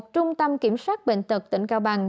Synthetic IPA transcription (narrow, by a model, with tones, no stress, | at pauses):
t͡ɕʊ˧ŋ͡mt̪ə˧mki˧˩əmswaː˦˥t̚ɓḛ˧˨ŋ̟t̪ɨ˨˩k̚t̪ï˧˩ŋ̟kaː˧wɓaː˨˩ŋ